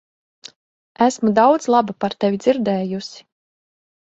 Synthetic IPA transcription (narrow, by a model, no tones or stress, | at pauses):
æsmud̪awd̪zlˠabapaɾt̪ɛvʲid̪ziɾd̪ɛːjusʲi̥